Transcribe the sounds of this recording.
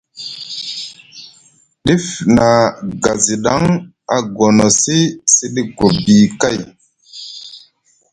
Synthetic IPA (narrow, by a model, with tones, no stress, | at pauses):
ɗi˦fna˨ɡa˨zi˨ɗa˦ŋ | a˨ɡo˨no˨si˦si˦ɗi˦ɡo˨bi˨ka˦˨j